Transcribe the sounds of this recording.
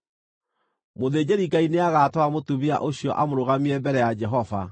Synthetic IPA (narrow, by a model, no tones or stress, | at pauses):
moðeːd͡ʑeɾiɡaineaɣatwamotumia̰ʔoɕiɔ̰ʔamoɾoɣamiɛbɛɾɛjad͡ʒɛɦɔva